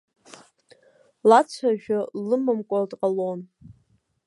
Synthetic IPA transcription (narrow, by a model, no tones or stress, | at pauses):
lat͡sʷʰaʒᶣalɨmɨmkʷʼatʼqʼalon